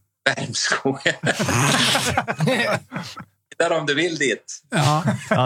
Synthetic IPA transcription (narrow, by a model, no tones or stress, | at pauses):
væɾmskʰuːɡə | t̪aɾɔmd̪ɵvɪld̪iːt̪